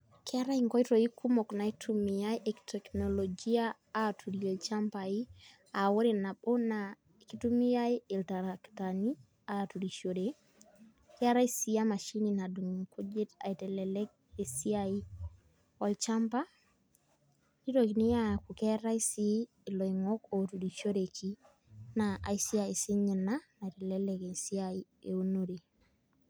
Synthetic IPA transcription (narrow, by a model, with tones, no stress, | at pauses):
kɛ˦a˦ɾa˦iŋkɔ˦i˦to˨i˦ku˦mɔ˨kna˨i˦tʰu˦mi˨ja˦jʔe˨ktʰɛ˨knɔ˨lɔ˨d͡ʒi˦aː˦˨ | tʰu˨ɾi˨ɔ˨lt͡ʃa˦mpa˨i˦ | a˨wo˦ɾe˨na˨ɓo˦na˨ | e˨ki˦tu˦mi˦a˦i˦ɪ˨lta˨ɾa˨kta˨ni˦ | a˨tu˨ɾi˨ʃo˨de˨ | kɛ˦a˦ɾa˦i˦si˦a˦ma˨ʃi˦ni˨na˨du˨ŋ˨ko˦d͡ʒe˦ta̰˨i˨tɛ˨lɛlɛ˦k̚e˨si˦ai˦ | wa˦lt͡ʃa˦mpa˦ | di˦ɾo˨kni˦ja˦˨ku˨kɛ˦ɾa˦i˦siː˦˨ | lo˨iŋɔ˦ko˨tu˨ɾi˨ʃo˦ɾe˨kʰi˦ | naʔa̰˨isi˦a˨i˨sɪ˦ɲɪ˨na˦na˨i˨tɛ˨lɛ˦lɛke˨si˦ai˦ | ḛ˨u˦no˦ɾe˨